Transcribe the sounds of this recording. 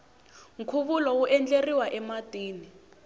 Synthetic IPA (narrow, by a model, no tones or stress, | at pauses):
ŋ̩kʰuβulɔwuʔɛnd͡ɮeriwaʔɛmad̥ʱʼiːni